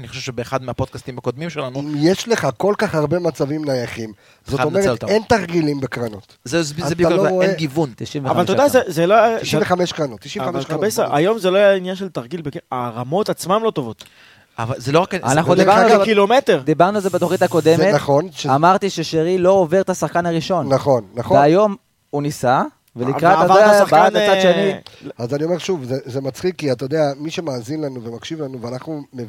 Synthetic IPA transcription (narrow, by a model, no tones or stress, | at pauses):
aniχoʃevʃebeːχad̪meapod̪̚kast̪imhako̞d̪mimʃelanujeʃleχako̞lkaχhaʁbe̞mat͡savimnajaχim | zoadomet̪aent̪aʁɡilimbekʁanot̪zezeiukooeeɡivunt̪iʃimveavaltodazezeloʃveχameʃkʁanot̪ːiʃiamabejsaajo̞mzeloajainjanʃe̞lt̪aʁɡilbekaʁamo̞t̪at͡smamlo̞t̪o̞vo̞t̪ | a̰valzelo̞akanaχnud̪ibaʁnuakilometeʁd̪ibaʁnualzebet̪oχit̪ako̞d̪e̞metaχo̞nʃamaʁt̪iʃeʃeʁilo̞ove̞ʁt̪asaχkanaʁiʃo̞nnaχo̞nːaχveajo̞m | unisa | velikʁataaasaχaaʃaniazanio̞me̞ʁʃuvzezemat͡sχikːiat̪ajod̪eamiʃemaːzinlanuvemakʃivlanuveanaχnumev